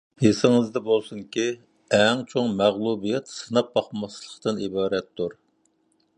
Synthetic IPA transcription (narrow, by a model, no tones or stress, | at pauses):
jesɪŋɨzd̪ɛbolˠsuŋkʲi | ɛŋt͡ʃʰoŋmæʁlˠubijɛt̪sɨnɑp̚bɑχmɑslˠəχt̪ɨnibɑːɾɛt̪ːuɾ